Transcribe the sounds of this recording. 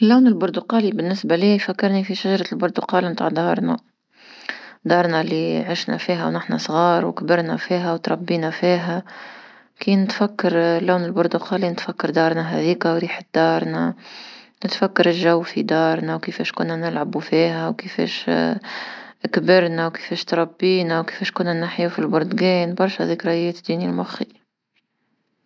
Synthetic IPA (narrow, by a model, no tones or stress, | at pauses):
ɪlːaːnɪlbʊɾd̪ʊqɑːlibɪnːɪsbæliːjfækːɑɾnifiʃaʒɑɾˤɑlbʊɾˤd̪ʊqɑːlmt̪a̰ʕd̪ɑːɾˤna | d̪ɑːɾˤnalːiʕɪʃnæ̰fiːɦæ̰wnɪħnæ̰sˤɣɑːɾˤwɪ̰kbɪɾnæ̰fiːɦæwt̪ɾˤɑbːiːnæfiːɦæ | kinɪt̪fakːɑɾlːaːnɪlbʊɾd̪ʊqʰɑːlinɪt̪fækːɑɾˤd̪ɑːɾˤnaɦɛ̰ðiːkæwɾiːħ̚d̪̥ɑːɾˤna | nɪt̪fakːɑɾˤɪlʒawːfid̪ɑːɾˤnæwkɪfɛːʃkʊnːænɪlʕabufiːɦæwkɪfɛ̰ːʃ | kbɪɾnæwkɪ̥fɛːʃt̪ɾˤɑbːiːnæwkɪ̥fɛːʃkʊnːænaħjufilbʊɾd̪ɡɛːnbɑɾˤʃhɛ̰ðiːkɾˤɑjɛːt̪d̪ːiːnilmʊxi